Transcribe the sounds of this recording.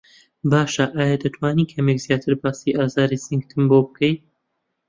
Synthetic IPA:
baːʃaʔaːjad̪ɐt̪ʰwaːniːkʰɐmekzjaːt̪ʰɨɾbaːsiːʔaːzaːɾisiŋɡt̪ʰɨmbobɨkʰɛj

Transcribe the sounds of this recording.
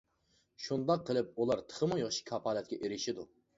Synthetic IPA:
ʃund̪ɑqʰːəlˠɪp̚ulˠɑɾt̪ʰə̥χəmʊjeχʃi̥kʲʰɑpʰɑːlˠɛt̪̚kʲɛʔeɾɪʃid̪u

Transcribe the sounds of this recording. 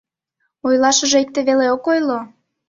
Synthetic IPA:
ojlɑʃəʒeek̚t̪eβeleokojlo

